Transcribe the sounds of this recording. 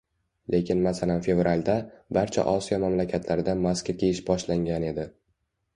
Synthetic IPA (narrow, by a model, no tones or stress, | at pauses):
lʔe̞kʲɪnmasalanfe̞vɾalʲd̪abaɾt͡ʃʰa̰ʔɒsijɒmamlakʲʰat̪ʰlaɾɪd̪amaskʲakʲʰejɪʃbɒʃlaŋɡʲane̞d̪ɪ